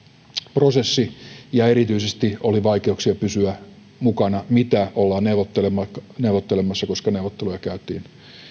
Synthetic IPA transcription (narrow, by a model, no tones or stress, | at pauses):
prosesːijɑeɾit̪yisest̪ioliʋɑikeuksiɑpysyæ | mukɑnɑmit̪æolːɑːnneʋot̪ːelemɑneuʋot̪ːelemːɑsːɑkoskɑneuʋot̪ːelujɑkæyt̪ḭːn